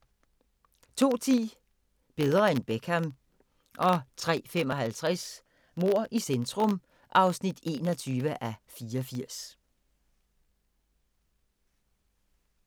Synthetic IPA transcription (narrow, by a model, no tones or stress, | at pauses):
t͡sʰo̝̰ːt͡sʰḭː | b̥e̝ð̞ˠʁɐenb̥eɡ̥ʰhæm | ʔɒ̽t͡sʰʁɛ̰ːfem̰ɒ̽ɦælt͡sʰʁɛs | mo̝ɐ̰ʔisend̥ʁɔm | ʔɑ̈ʊsnid̥e̝̰ːnɒ̽t͡sʰyːʋəʔæfiːɐɒfiɐ̰s